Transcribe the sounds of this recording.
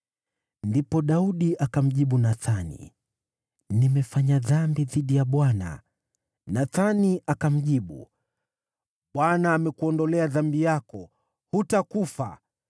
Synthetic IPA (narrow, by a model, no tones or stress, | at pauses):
ndipɔɗauɗiʔakam̩ʄiɓunaθanḭ | nimɛfaɲaðambiðiɗijaɓwana̰ | naθaniʔakam̩ʄiɓṵ | ɓwanaːmɛkuɔndɔlɛaðambijakɔ | hutakufa̰